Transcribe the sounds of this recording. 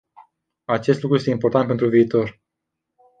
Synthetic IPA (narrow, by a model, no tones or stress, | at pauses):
at͡ʃe̞s̬t̪lukɾuje̞st̪eimpo̞rt̪ant̪̚pe̞nt̪ɾuviːt̪o̞r